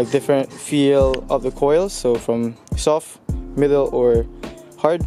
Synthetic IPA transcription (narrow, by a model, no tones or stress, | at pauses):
k̚dɪfɹɨ̃ntfilˠʌvðəkʰɔɪlˠsoʊfɹʌ̃msɔf | mɪdl̩ˠəɹhɑɹd̚